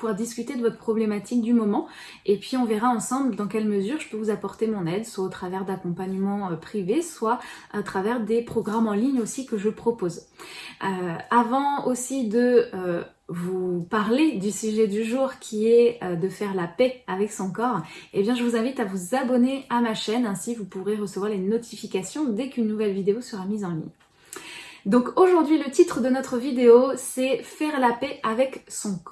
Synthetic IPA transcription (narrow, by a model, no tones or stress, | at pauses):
puaʁd̪iskʲyt̪ed̪əvɔt̪χəpχɔblemat̪ʰik̚d̪ymɔmɑ̃ | epɥiɔ̃vɛʁaɑ̃sɑ̃bld̪ɑ̃kʲɛlməzyʁʒəpøvuzapɔʁt̪emɔ̃nɛd̪swaot̪χavɛʁd̪akɔ̃paɲəmɑ̃øpχiveswa | at̪χavɛʁd̪epχɔɡʁamɑ̃liɲosikəʒəpχɔpoz | øavɑ̃osid̪ə | vupaʁled̪ysyʒɛd̪yʒuʁkʲiɛød̪əfɛʁlapɛavɛksɔ̃kɔʁebjɛ̃ʒəvuzɛ̃vit̪avuzabɔneamaʃɛnɛ̃sivupuʁeʁəsəvwaʁlenɔt̪ʰifikasjɔ̃d̪ɛkynːuvɛlvid̪eosəʁamizɑ̃lḭɲ | d̪ɔ̃koʒuʁd̪ɥilət̪it̪χəd̪ənɔt̪χəvid̪eosɛfɛʁlapɛavɛksɔ̃kɔ